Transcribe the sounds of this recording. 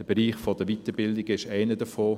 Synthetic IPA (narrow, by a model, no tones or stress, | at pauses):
d̥əb̥eɾiːχfod̥əʋitəbɪldɪɡɪʃæɪnədəfoː